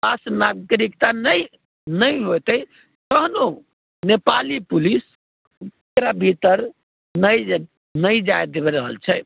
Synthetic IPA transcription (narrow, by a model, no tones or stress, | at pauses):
basnaɡɾikt̪anəj | nəjɦot̪ə | t̪əɦno | nepalipulis | kɾabʱit̪əɾ | nəj | nəjd͡ʒaed̪eβɛɾəɦə̰lt͡ʃʰɛ